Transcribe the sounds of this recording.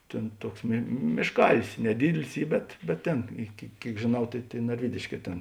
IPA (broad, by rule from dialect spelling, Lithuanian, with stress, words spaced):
ˈtʲeːn ˈtuɔks mʲeː mʲeːʃˈkɑːlʲɪs nʲɛˈdʲiːdʲɪlʲɪs ˈiː bʲɛt bʲɛt ˈtʲeːn ɪkʲɪ ˈkʲeːɪk ʒʲeːˈnɐʊ tʲeːɪ tʲeːɪ nɐrʲˈʋʲiːdʲeːʃʲˌkʲɛː tʲeːn